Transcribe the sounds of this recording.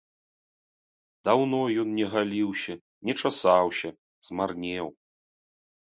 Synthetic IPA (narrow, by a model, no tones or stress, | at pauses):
d̪awnɔjɔnnʲɛɣalʲiwɕʲɐ | nʲɛt͡ʂasawɕʲɐ | z̥marnʲɛw